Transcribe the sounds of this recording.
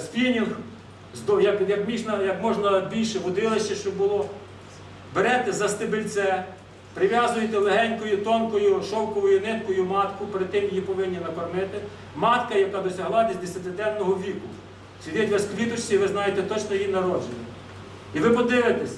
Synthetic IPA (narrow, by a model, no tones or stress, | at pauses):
spʲinʲix | zd̪ɔjɐkjɐkmʲiʒnɐjɐkmɔʒnɐbʲilʲʃɛʋɔd̪ɪlˠɪʃt͡ʃɛʃt͡ʃɔbbʊlˠɔ | beɾɛt̪ɛzɐst̪ɪbɪlʲt̪sɛ | pɾɪʋʲjɑzʊjet̪ɛlˠeɦɛnʲkɔjʊt̪ɔnkɔjʊʃɔwkɔʋɔjʊnɪt̪kɔjʊmɑt̪kʊpeɾɪd̪̚t̪ːɪmjɐjipɔʋɪnʲːinɐkɔrnɪt̪ɪ | mɑt̪kɐjɐkɑd̪ɔsʲɐɦlˠɑbʲizʲd̪esʲɐt̪ɪd̪ɛnːɔɦɔʋʲikʊ | sʲidʲɛtʲʋɐskʋʲit̪ʊt͡ʃʲiiʋɪznɑjet̪ɛt̪ɔt͡ʃnɔjinɐɾɔd͡ʒenʲːɐ | iʋɪpɔd̪ɪʋɪt̪ɛsʲ